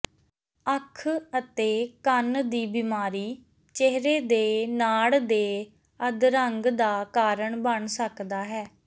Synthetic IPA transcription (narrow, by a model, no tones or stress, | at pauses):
əkʰət̪eːkənd̪iːbɪmaːɾiː | t͡ʃeɦɾeːd̪eːnaːɽd̪eː | əd̪ɾəŋɡd̪aːkaːɾəɳbəɳsəkd̪aːɦɛː